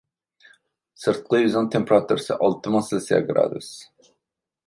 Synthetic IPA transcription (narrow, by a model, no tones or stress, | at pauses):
sɨɾt̪̚qəjyzɨnt̪ʰempɾat̪ʰuɾsɨʔɑlˠt̪ʰɨmɑsɨlsija̰ɡɾa̰d̪ṵs